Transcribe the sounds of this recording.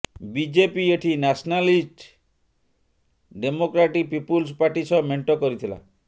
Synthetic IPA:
bid͡ʒepieʈʰinasɔnalisʈ | ɖemokɾaʈipipulspaɾʈisɔmeɳʈɔkɔɾit̪ʰila̰

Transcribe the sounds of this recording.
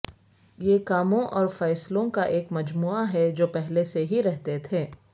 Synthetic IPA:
jekaːmõʔɔːɾfɛːslõkaʔeːkmɐd͡ʒmuːaɦɛd͡ʒoːpɛɦleseɦiɾɛɦt̪et̪ʰeː

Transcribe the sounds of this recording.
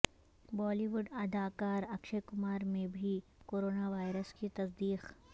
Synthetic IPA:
bɔːliʋʊɖɐd̪aːkaːɾɐkʃekʊmaːɾmẽbʱikoːɾoːnaʋaːɪɾəskit̪ɐsd̪iːq

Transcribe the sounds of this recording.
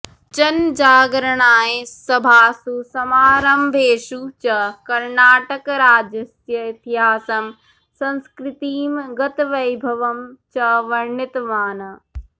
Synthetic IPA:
t͡ʃɐnd͡ʒaːɡɾɐɳ̃aːjesɐbʱaːsusɐmaːɾɐmbʱeːʃut͡ʃɐkɐɾnaːʈɐkɾaːd͡ʒɐsjɐit̪iɦaːsɐm | sɐ̃nskɾɪt̪iːmɡɐt̪ʋɐjbʱɐʋɐmt͡ʃɐʋɐɾɳɪt̪ʋaːnɐ

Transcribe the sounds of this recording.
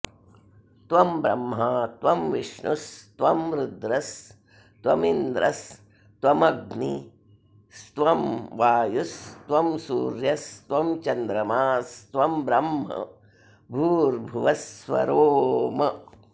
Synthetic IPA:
t̪ʋɐmbɾɐ̰mɦɐt̪ʋɐmʋiʂɳust̪ʋɐmɾud̪ɾɐs | t̪ʋɐmind̪ɾʔɐs | t̪ʋɐmɐɡni | st̪ʋɐmʋaːjust̪ʋɐmsṵːɾjɐst̪ʋɐmt͡ʃɐnd̪ɾɐmaːst̪ʋɐmbɾɐmɦɐ̰ | bʱuːɾbʱuʋɐsʋɐ̰ɾoːmɐ

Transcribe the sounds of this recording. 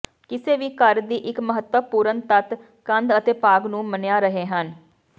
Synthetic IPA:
kɪseːʋiːkəɾd̪iːʔɪkməɦət̪wəpuːɾənt̪ət̪ | kə̃nd̪ət̪eːpaːɡnũːmənjaːɾəɦeːɦən

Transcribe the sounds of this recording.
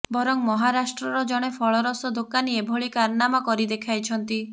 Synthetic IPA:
bɔɾɔŋmɔɦaɾasʈɾɔɾɔd͡ʒɔɽ̃epʰɔɭɔɾɔsɔd̪okaniebʱoɭikaɾnamakɔɾid̪ekʰajt͡ʃʰɔnt̪i

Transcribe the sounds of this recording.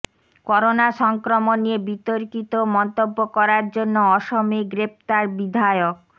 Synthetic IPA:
kɔɾonaʃɔŋkɾomonːiebit̪oɾkit̪omɔnt̪obːokɔɾaɾd͡ʑonːoɔʃomiɡɾep̚t̪aɾbid̪ʱaeok̚

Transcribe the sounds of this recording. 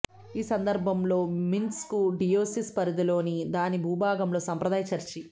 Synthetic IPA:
iːsɐnd̪ɐɾbʱɐmlo̞ːminskuɖijoːsispɐɾid̪ilo̞ːnid̪aːnibʱuːbʱaːɡɐmlo̞ːsɐmpɾɐd̪aːjɐt͡ʃɐɾt͡ʃi

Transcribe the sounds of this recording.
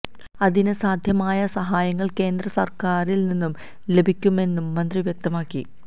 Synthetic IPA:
ɐðinɨsaːd̪ʱjɐmaːjɐsɐɦaːjɐŋːɐɭke̞ːnd̪rɐsɐrkaːɾilninːum | le̞bʱikʲːume̞nːumːɐnd̪riʋjek̚t̪ɐmaːkːi

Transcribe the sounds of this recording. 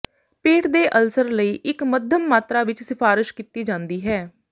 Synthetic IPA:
peːʈd̪eːʔəlsəɾləiːʔɪkməd̪ʱjəmːaːt̪ɾaːʋɪt͡ʃsɪpʰaːɾɪʃkit̪iːd͡ʒãːnd̪iːɦɛː

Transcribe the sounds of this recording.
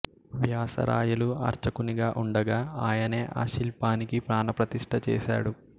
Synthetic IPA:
ʋjaːsɐ̰ɾa̰ːjuluɐ̰ɾt͡ʃɐkuniɡaːʔuɳɖɐɡaːaːjɐne̞ːʔa̰ːʃilpaːnikipɾaːnɐpɾɐt̪iʂʈʰɐt͡ʃɛ̰ːʃa̰ːɽu

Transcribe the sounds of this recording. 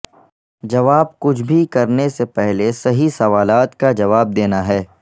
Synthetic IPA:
d͡ʒɐʋaːb̚kʊt͡ʃʰbʱikɐɾnesepɛɦlesɐɦisɐʋaːlaːt̪kad͡ʒɐʋaːb̚d̪eːnaɦɛː

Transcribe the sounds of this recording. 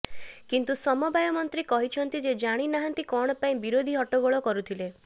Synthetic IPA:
kint̪usɔmɔbajɔmɔnt̪ɾikɔɦit͡ʃʰɔnt̪id͡ʒed͡ʒaɽ̃inaɦant̪ikɔɽ̃ɔpaĩbiɾod̪ʱiɦɔʈɔɡɔɭɔkɔɾut̪ʰile

